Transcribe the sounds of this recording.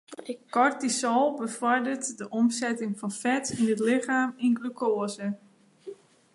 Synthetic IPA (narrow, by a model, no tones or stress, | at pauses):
kɔrtisɔlˠbəfɔrdərtdəʔɔmsɛtɪŋfɔnfɛtinətlɪχaːminɡlukʰoːəzə